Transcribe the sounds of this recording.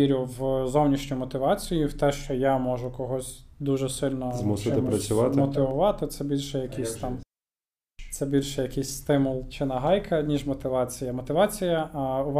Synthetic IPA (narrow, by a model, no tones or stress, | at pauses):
iɾʲʊwzɔwnʲiʃnʲɔjmɔt̪ɪʋɑt͡sʲijiwt̪ɛʃt͡ʃɔjamɔʒʊkɔɦɔsʲd̪uʒɛsɪlʲnɔzmusɪɪpɾɐt͡sʲʊʋɑt̪mɔt̪ɪʋʊʋɑt̪ɪt̪sɛbʲilʲʃɛjɐkisʲt̪ɑm | t̪sɛbʲilʲʃɛjɐkɪsʲst̪ɪmʊlˠt͡ʃɪnɐɦɑjkʰɐnʲiʒmɔt̪ɪʋɑt͡sʲijɐmɔt̪ɪʋɑt͡sʲijɐʊʋ